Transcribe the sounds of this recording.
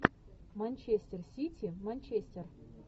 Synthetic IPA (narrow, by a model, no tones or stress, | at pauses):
manʲt͡ɕesʲt̪ʲersʲitʲʰimanʲt͡ɕesʲt̪ʲer